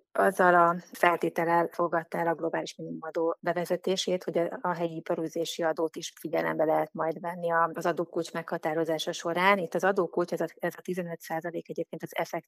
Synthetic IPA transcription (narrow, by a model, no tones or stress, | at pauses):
ɒzːɒlɒfɛlt̪eːt̪ɛlɛlfo̞ɡɒt̪ːaɛlɒɡlo̞baːliʃminimumɒd̪oːbɛvɛzɛt̪eːʃeːt̪ho̞ɟɒːɦɛjiipɒɾyːzeːʃiɒd̪oːt̪iʃfiɟɛlɛ̰mbɛlɛɦɛt̪mɒjd̪vɛnːiɒzɒd̪oːkut͡ʃmɛkhɒt̪aːɾo̞zaːʃɒʃo̞ɾaːnit̪ːɒzɒd̪oːkut͡ʃɛzɛzɒt̪izɛnø̞t̪saːzɒleːkɛɟeːp̚keːnt̪ɒzɛ̰fɛk̚t̪